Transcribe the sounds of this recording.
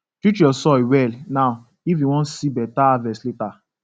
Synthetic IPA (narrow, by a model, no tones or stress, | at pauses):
tit͡ʃɔsɔiwɛlnaʊ | ivĩwɔ̃n̩sibɛtaavɛsleta